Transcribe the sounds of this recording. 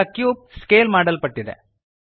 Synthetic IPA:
ɐkjuːp̚skeːlmaːɖɐlpɐʈːid̪ḛ

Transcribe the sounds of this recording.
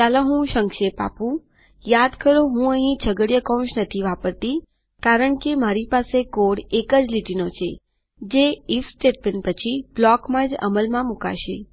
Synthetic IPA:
t͡ʃalãɦũʃəŋkʃepa̰pũ | jad̪kəɾoɦũəɦĩt͡ʃʰəɡəɽjəkɔ̃wʃnət̪ʰiʋapəɾt̪i | kaɾəɳkemaɾipasekoɽekəd͡ʒliʈ̪inot͡ʃʰḛ | d͡ʒeifsʈeʈ̚benpət͡ʃʰiblɔkmãd͡ʒə̰məlmãmuka̰ʃḛ

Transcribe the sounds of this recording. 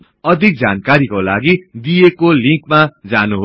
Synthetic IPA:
ʌd̪ʱik̚d͡zankaɾikolaɡid̪ijekoliŋkmad͡zanuɦo

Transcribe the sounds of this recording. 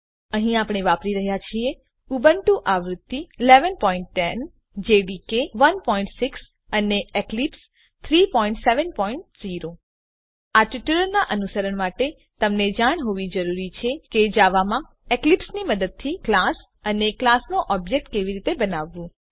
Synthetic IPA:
əɦĩapɽ̃eʋapɾiɾəɦjat͡ʃʰie | ubəɳʈũʔaʋɾʊt̪ːiːleʋənpɔiɳʈːɛn | d͡ʒeɖikeʋənpɔĩɳʈsiks | əneeklips | t̪ʰɾipɔĩɳʈseʋənpɔiɳʈziɾo | aʈiʈuləɾnaʔənusəɾəɳmaʈe | t̪əmned͡ʒaɽ̃ɦoʋid͡ʒəɾuɾit͡ʃʰeked͡ʒaʋamã | eklipsniməd̪əd̪̚t̪ʰiklas | əneklasnoʔɔbd͡ʒek̚ʈ̚keʋiɾit̪ebənaʋːũ

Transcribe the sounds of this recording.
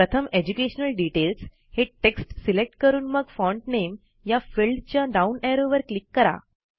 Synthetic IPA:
ɾət̪ʰəmed͡ʑukeɕənəlɖiʈels | heʈeksʈsilek̚ʈkəɾuːnməɡfɔ̃ɳʈnem | jafilɖt͡ɕjaɖauneɾoʋəɾklikːəɾa̰

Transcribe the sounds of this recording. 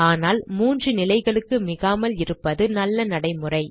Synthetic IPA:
aːnaːlmuːndrɯnɪlɐɪɣɐɭɯkːɯmɪɣaːmɐlɪɾɯpːɐðɯnɐlːɐnɐɽɐɪmɯrɐɪ

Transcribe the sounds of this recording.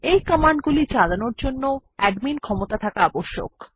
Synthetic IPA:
ejkəmaɳɖɡulit͡ɕalanoɾd͡ʑonːoɛɖminkʰɔmot̪at̪ʰakaaboʃːo̰k

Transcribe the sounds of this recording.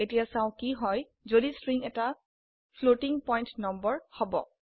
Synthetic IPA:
etijasãʊ̃kiɦɔj | zodistɹiŋɛta | pʰlotiŋpɔjntnɔmbɔɹhobɔ̰

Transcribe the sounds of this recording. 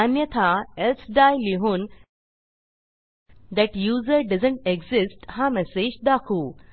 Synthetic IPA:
anjət̪ʰaelsɖajliɦũːn | d̪ɛʈjuːzəɾɖɐzəɳʈeɡzɪsʈhamɛsed͡ʑd̪akʰuː

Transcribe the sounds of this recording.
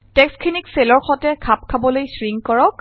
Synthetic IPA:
tɛkskʰinikselɔɹxɔtɛkʰap̚kʰabɔlojsɹiŋkɔɹɔk

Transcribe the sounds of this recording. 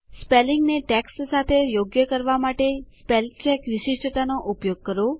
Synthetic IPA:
spelɪŋɡneʈɛkssat̪ʰejoɡjəkəɾʋamaʈespelt͡ʃɛkʋɪʃɪʃʈət̪anoʔupjoɡ̚kəɾo

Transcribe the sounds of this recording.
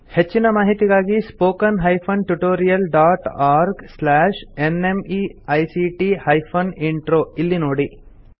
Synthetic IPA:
het͡ʃːinɐmaːɦit̪iɡaːɡispoːkɐnɦɐjpʰɐnʈuʈoːɾijɐlɖaːʈaːɾɡslaːʂenemiɐjsiʈihɐjpʰɐniɳʈɾoːilːinoːɽi

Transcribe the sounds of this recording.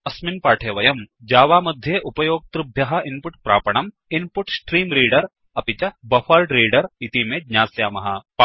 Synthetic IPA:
ɐsminpaːʈʰeːʋɐjɐmd͡ʒaːʋaːmɐd̪ʱjeʔupɐjoːɡ̚t̪ɾubʱjɐɦɐʔinpuʈpɾaːpɐɳ̃ɐm | inpuʈsʈɾiːmɾiːɖɐɾ | ɐpit͡ʃɐbɐfɐlɖɾiːɖɐɾit̪imeːd̪ɲaːsjaːmɐɦɐpː

